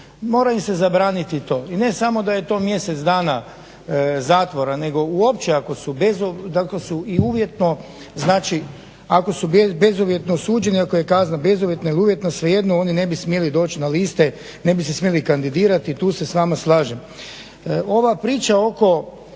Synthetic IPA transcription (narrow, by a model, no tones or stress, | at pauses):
mo̞ːɾaimse̞zabɾaːnit̪it̪o̞ːine̞samo̞d̪aje̞t̪o̞ːmje̞se̞t̪sd̪aːna | zaːt̪ʋo̞ɾane̞ɡo̞uo̞pt͡ʃeako̞subezod̪akosuiuʋje̞t̪no̞ | znaːt͡ʃi | ako̞subbe̞zuʋje̞t̪nosuːd͡ʒe̞niako̞je̞kaːznabe̞zuʋjet̪nailiuːʋje̞t̪nasʋeje̞d̪noo̞nine̞bismje̞lid̪o̞ːt͡ɕnaliːst̪e̞ | ne̞bisesmjelikand̪id̪iːɾat̪it̪uːse̞sʋaːmaslˠaːʒem | o̞ʋapɾiːt͡ʃao̞ko̞